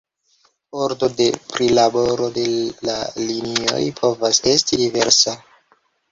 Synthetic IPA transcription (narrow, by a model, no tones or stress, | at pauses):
oɾdo̞de̞pɾilaboɾo̞de̞lalinio̞̰jpʰo̞vase̞stidive̞ɾsa